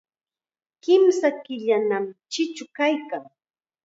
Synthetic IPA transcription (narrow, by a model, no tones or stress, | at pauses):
kɪmsakɪʎanamt͡ʃɪt͡ʃʊkajkaŋ